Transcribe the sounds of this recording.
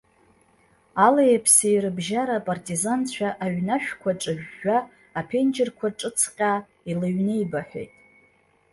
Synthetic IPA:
alajapʰsejɾɨbʒaɾapʼartʼizant͡ɕʷʰaʔaɥnaʃᶣkʷʰaʈ͡ʂʼɨʒᶣːaː | pʰe̞nd͡ʒɪrkʷʰaʈ͡ʂʼɨt͡sʰqʲʼa | ilɨɥnejbaħʷᶣḛjtʼ

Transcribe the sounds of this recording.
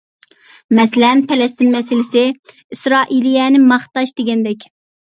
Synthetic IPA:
mɛslɛnpʰɛlɛst̪ɪnmɛsɪlɪsɪ | isɾɑːʔilijɛnɪmɑχt̪ɑʃd̪eɡʲɛnd̪ɛkʲ

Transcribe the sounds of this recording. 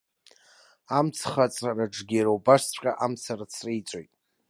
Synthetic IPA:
amt͡sʰχat͡sʼraraʈ͡ʂɡʲeɾowbaʂt͡sʷʰʼqʲʼaʔamt͡sʰarat͡sʰrejt͡sʷʼojtʼ

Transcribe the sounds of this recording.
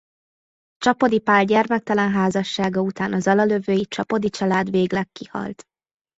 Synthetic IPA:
t͡ʃɒpo̞d̪ipaːlɟɛrmɛk̚t̪ɒlɛnɦaːzɒʃːaːɡɒut̪aːnɒzɒlɒløvøːjit͡ʃɒpo̞d̪it͡ʃɒlaːd̪veːɡlɛkːihɒ̰lt̪

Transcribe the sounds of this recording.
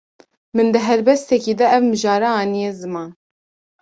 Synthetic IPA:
mɨnd̪ɨɦɛɾbɛst̪ɛkiːd̪ɛɛvmɨʒɑːɾɑɑːnijezɨmɑːn

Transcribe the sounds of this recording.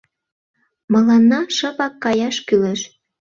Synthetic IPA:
mɤ̆lɑnːɑʃɤ̆pɑkːɑjɑʃkyleʃ

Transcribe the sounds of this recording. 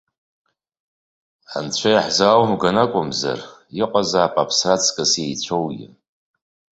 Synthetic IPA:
a̰nt͡ɕʷʰajaħzawmɡanakʷʼʊmza̰riqʷʼazaːpʼapʰsrat͡sʰkʼɨsjejt͡ɕʷʰowɡʲɪ̰

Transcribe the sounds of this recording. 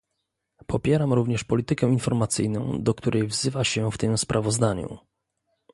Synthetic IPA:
pʰɔpʲjɛɾamɾuvɲɛʂpɔlʲit̪ɘkɛinfɔɾmat̪sɘjnɔ̰̃w̃d̪ɔkt̪uɾʔɛjvzɘvaɕɛft̪ɘmspɾʔavɔzd̪aɲṵ

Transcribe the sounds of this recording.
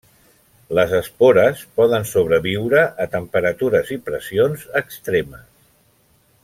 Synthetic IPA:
ləzəspoɾəspɔðənsoβ̞ɾəβiwɾəʔːt̪əmpəɾət̪uɾəzipɾəsionzəkst̪ɾeməs

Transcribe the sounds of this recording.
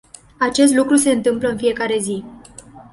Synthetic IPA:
at͡ʃe̞s̬t̪lukɾuse̞ɨnt̪ɨmpləɨnfije̞kaɾe̞zi

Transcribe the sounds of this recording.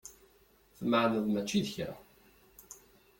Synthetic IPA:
θməʕnəðmæt͡ʃːiðəçɾa̰

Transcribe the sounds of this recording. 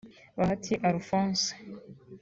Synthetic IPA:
βahatʰiʔaɾufõːnse̥

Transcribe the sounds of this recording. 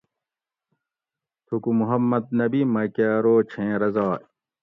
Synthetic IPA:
t̪ʰukumuɦɐmːɐd̪̚nɐbimɐkaːɾoːt͡ɕʰẽːɾɐzaː

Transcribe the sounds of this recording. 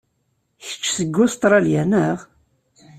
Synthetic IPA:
çə̥t͡ʃːsəɡːʊst̪ˤɾˤɑljænəʁ

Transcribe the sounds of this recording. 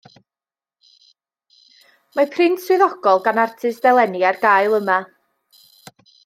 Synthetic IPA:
mapʰrɪntswɪðɔɡ̥ɔlˠɡanartʰɨsdɛlˠɛnjarɡaːjlˠəma

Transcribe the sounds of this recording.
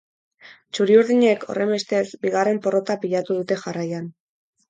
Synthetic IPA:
t͡ʃuɾiuɾðiɲe̞kʰo̞̰re̞mbe̞st̪e̞sbiɣare̞mpo̞ro̞t̪apiʎat̪uð̞ut̪e̞xarajan

